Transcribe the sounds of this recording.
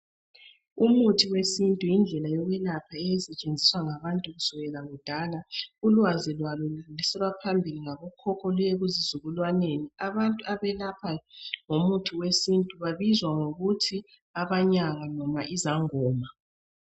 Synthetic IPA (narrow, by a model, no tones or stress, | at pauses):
umutʰiwesintʼujind͡ɮʱɛlajɔɣɛlapʰaɛjɛsɛt͡ʃʼend͡zʱiswaŋaβantʼuɣusuɣɛlaɣud̥ʱalaulwazilwalullisɛlwapʰambʱiliŋaβɔkʰɔkʰɔlɛɣuzizuɣulwaneniaβantʼuaβɛlapʰaŋomutʰiwesintʼuβaβizwaŋoɣutʰi | aβaɲaŋanɔmaʔizaŋɔːma